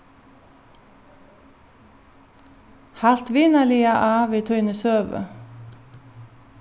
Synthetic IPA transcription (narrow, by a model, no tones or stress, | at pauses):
hælt̪ʋiːnəliːɑʔɑːʋiːt̪ʰœʏnəsøːʋə̰